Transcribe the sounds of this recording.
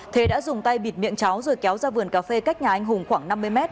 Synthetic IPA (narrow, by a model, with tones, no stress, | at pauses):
t̪ʰe˨˦ɗa̰ː˧˥zʊ˨˩ŋ͡mt̪a˧jɓi˧˩t̚mḭ˧˨əŋt͡ɕa˨˦wzɨ˨˩jkɛ˨˦wzaː˧vɨ˨˩ənkaː˨˦fe˧ka˦˥k̚ɲaː˨ʔa˧jŋ̟ɦʊ˨˩ŋ͡mxwaː˧˩ŋna˧mːɨ˧jmɛ˦˥t̚